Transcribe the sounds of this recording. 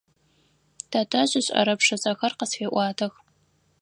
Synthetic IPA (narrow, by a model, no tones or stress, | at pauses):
tʰatʰʼɐɕʼɪɕʼɐ̰ɾɐpʂɐzʼɐxɐrqəsfeːʔʷɑːtʰɐx